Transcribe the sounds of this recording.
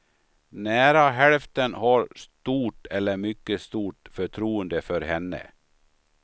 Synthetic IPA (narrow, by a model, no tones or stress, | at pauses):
næːɾaɦɛlft̪ənhɑɾst̪uːʈɛlːəɾmʏkːəst̪uːʈfœʈʰɾuːənd̪əfœɾhɛnːə̰